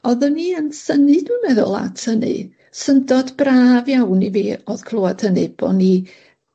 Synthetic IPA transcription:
ɔðəniənsənɨdumɛðʊ̰lˠa̰tʰənɨ̰ | səndɔdbraːvjawniviːɔð̥kʰlˠoːad̥ʰhənɨb̥ɔ̰ni

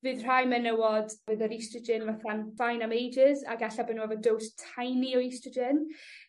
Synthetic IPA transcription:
vɨːðr̥ajmɛnəwɔdvɨːðəɾistəd͡ʒɪnvaθanfajnamejd͡ʒɪza̰ɡaɬabɛnuɛvɔdowstʰajniɔistəd͡ʒɪn

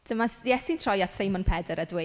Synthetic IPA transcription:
d̥əmasjɛsintʰr̥ɔjatsejmɔnpʰɛdəɾədwɪ

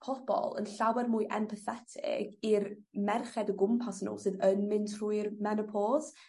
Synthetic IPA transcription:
pʰɔb̥ɔ̰lˠə̰nɬawɛrmʊɨʔɛmpʰəθɛtʰɪ̰ɡ̥irmɛrχɛdəɡʊmpʰasnṵːlˠsɨðənmɪntʰrujrmɛnəpʰɔːz̥

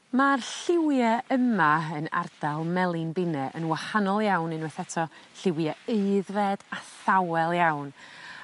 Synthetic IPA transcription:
marɬɪwjaəmaəna̰rd̥alˠmɛlˠɪnbɪnɛʔə̰nwahanɔlˠjawnɨnwɛθɛtʰɔɬɪwjaeɨðvɛd̥aθawɛlˠjawn

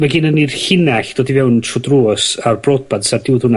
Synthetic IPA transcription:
vɛɡinənir̥ɬɪnaɬd̥ɔːdivɛwntʰrɔdruːsarbrod̚bad̥sardɪwðhʊna

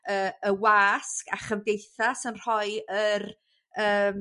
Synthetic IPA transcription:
əːəwaːska̰χəvdejθasənr̥ɔɨər | əːm

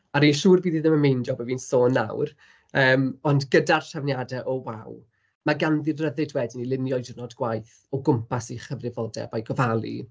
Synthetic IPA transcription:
aɾiʃuːrviːðɨðəməmejndɔbəviːnsoːnːa̰wr | əːmɔndɡədarʃavnjadɛʔɔwa̰w | maɡanðɪrrəðɨdwɛdɪnilˠɪnjɔjdnɔdɡwajθ | ɔɡʊmpʰasiχəvrɪvɔdɛ̰bajɡɔvalˠḭ

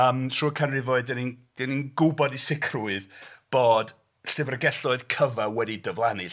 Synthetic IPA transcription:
əːmtʰruːəkʰanrɪvoɨdɛnind̥ɛninɡʊbɔdisɪkʰrʊɨðb̥oːd̥ | ɬɨvrəɡɛɬɔɨðkʰəvawɛdidəvlˠanɪ

